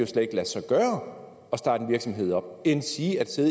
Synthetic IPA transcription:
o̝sled̥e̝ɡ̥læ̥sɑ̈ɪɡ̥ɶːɐ | ɒ̽sd̥ɑ̈ːd̥n̩ʋiɐɡ̥sɒ̽mɦe̝ð̞̰ˠɒ̽b̥̚ensiːæd̥se̝ðˠ

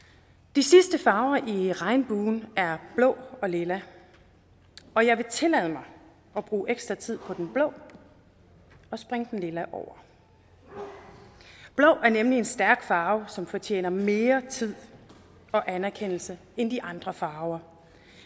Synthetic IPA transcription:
d̥isisd̥əfɑ̈ːʊɐʔiʁɑ̈ɪnb̥uːnæɐb̥lɔ̰̽ʊɒ̽le̝læ | ɒ̽jɑ̈ɪʋe̝t͡sʰe̝lɛð̞̰ˠmɑ̈ɪ | ɒ̽b̥ʁuːʔeɡ̥sd̥ʁɐ̈t͡sʰið̞̰ˠpʰɒ̽d̥enb̥lɔ̽ʊ̰ | ɒ̽sb̥ʁeŋəd̥enle̝læʔɒʊ̰ɐ | b̥lɔ̽ʊʔæɐnemlie̝nsd̥æɐɡ̥fɑ̈ːʊsɒ̽mfɒ̽t͡ɕʰḛːnɐme̝ːɐt͡sʰið̰ˠ | ɒ̽ʔænæɐkʰen̰l̩sə | end̥iʔɑ̈nd̥ʁɐfɑ̈ːʊɐ

